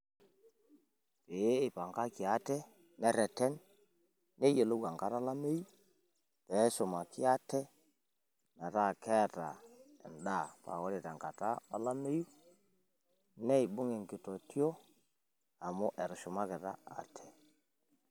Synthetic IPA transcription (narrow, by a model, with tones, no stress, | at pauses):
pe˨˦ɪ˨pa˨ŋka˦kɪ˨a˦tɛ˦ | nɛ˦ɾɛ˨tɛ˦nː | ɛ˦je˨lo˦wa˨ŋka˦ɾa˦la˦me˦ju˦ | tɛ˨˦ʃʊ˨ma˨kɪ˦a˦tɛ˦ | nɛ˨ɾa˦kɛ˦ta˨ | ɪ̰˨nda˦˨pa̰˨kɔ˦ɾe˨ta˨ŋka˨ta˦ɔ˦la˦me˦ju˦ | nɛ˦i˨bʊ˦ŋe˨ŋkɪ˨tɔ˨tjo˦ | a˨mʊ˦ʔɛ˨ɾʃʊ˨ma˦kɪ˨ɾa̰˦a̰˨tʰɛ˨